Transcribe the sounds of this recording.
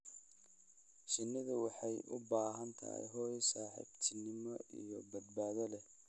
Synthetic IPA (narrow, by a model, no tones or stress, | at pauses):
ʃɪnːɪðɐwɑħɑjʔʊbaːɦɐnt̪ʰɐ̰ḭjɦɔːjsaːħɪ̰bt̪ʰɪnɪmɔʔḭjɔbɐd̪baːðɐlɛ